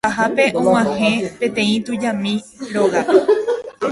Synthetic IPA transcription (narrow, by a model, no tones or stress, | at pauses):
aɦape̞ʔõwãhẽ̞pẽ̞t̪ẽ̞ĩt̪ud͡ʒamĩɾoɣa